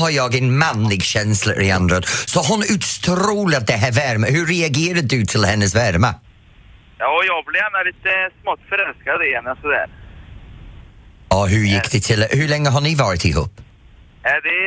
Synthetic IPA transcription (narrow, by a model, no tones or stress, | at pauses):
haɾjɔːɡɛnmanlɪɡʃɛnslə̰ɾɪand̪ɾɔd̪̥sɔɦʊnʉtst̪ʰɾuːlad̪̚ɛɦɛvɛɾməhʉɾɛaɡeːɾad̪ʉt̪ʰɪlhɛnːəsvɛɾma | jɑːjɑːɡblɪanːalɪt̪əsmɔt̪ːfœɾɛlskad̪ɪɛnasɔd̪ɛ̰ːɾ | ɔɦʉjɪkʰd̪̥ɪt̪ʰɪlhʉlɛŋːəɦanɪvɑːɾɪt̪ʰɪhṵːp | ɛd̪ɛ